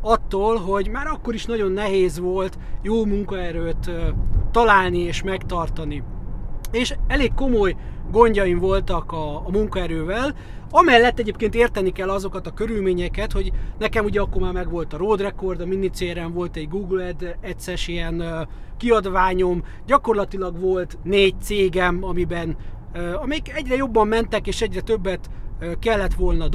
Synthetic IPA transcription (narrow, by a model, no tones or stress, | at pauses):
ɒt̪ːoːlɦo̞ɟmaːɾɒkːo̞ɾiʃnɒɟo̞nːɛɦeːzʋo̞lt̪joːmuŋkɒɛɾøːt̪øːɒlaːlnieːʃmɛkt̪ɒrt̪ɒni | eːʃɛleːkːo̞mo̞jɡo̞ɲɟɒjiɱvo̞lt̪ɒkɒːmuŋkɒɛɾøːvɛl | ɒmɛlːɛt̪ːɛɟeːp̚keːnt̪eːrt̪ɛnikɛlːɒzo̞kɒt̪ɒkø̞ɾylmeːɲɛkɛt̪ho̞ɟnɛkɛmuɟɛɒkːormaːrmɛɡʋo̞lt̪ɒɾoːd̪rɛko̞rd̪ɒminːit̪seːɾɛɱvo̞lt̪ɛɟɡuːɡlɛd̪ɛt̪sɛʃiɛnkiɒd̪ʋaːɲo̞m | ɟɒko̞rlɒt̪ilɒɡʋo̞lt̪neːɟ̚t̪seːɡɛmɒmibɛn | øːɒmɛjikɛɟrɛjo̞bːɒmːɛnt̪ɛkeːʃɛɟrɛt̪øbːɛt̪økɛlːɛt̪ʋo̞lnɒd̪